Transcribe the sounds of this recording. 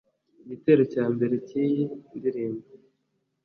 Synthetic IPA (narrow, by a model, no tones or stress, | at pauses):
iɟite̞ːɾo̞caːmbe̞ɾe̞ciːjindiɾiːmbo